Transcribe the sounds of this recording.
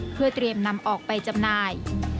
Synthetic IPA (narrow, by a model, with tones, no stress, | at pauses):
pʰɯ˥˩ɐt̪ɾi˧əmna˧mʔɔː˨˩k̚pa˧jt͡ɕa˧mnaː˧j